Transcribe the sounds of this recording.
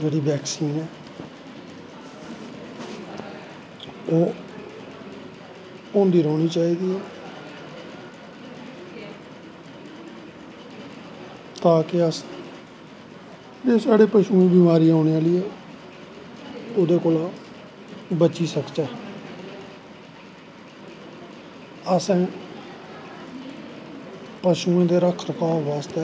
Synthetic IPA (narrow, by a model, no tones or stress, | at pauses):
d͡ʒeːɽiːbɛːksiːnɛː | oː | õːnd̪iːɾɔːɳiːt͡ʃaːiːd̪iːɛː | t̪aːkɪəs | d͡ʒeːsaːɽeːpəʃũːẽːbiːmaːɾiːaːɳeːaːlɪːɛː | od̪eːkoːlãː | bət͡ʃiːsəkt͡ʃaː | əsɛ̃ː | pəʃũːẽːd̪eːɾəkʰɾəkaːʋaːst̪eː